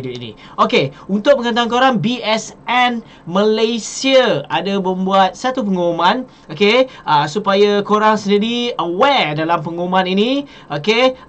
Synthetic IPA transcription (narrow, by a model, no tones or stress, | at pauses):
ditinḭ̃ | okeunt̪ʊk̚məŋant̪aŋkoɾaŋbiɛsɛn | məlajsiəadabəmbuat̪̚sat̪up̬əŋoomãn | okeʔəsupajakoɾaŋsəndiɾiəwɛdalampəŋomãninĩ | oke